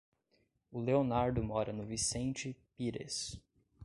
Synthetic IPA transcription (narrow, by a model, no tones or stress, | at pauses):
ʊleonaɾd̪ʊmɔɾɐnʊvisẽnt͡ʃɪpiɾḛs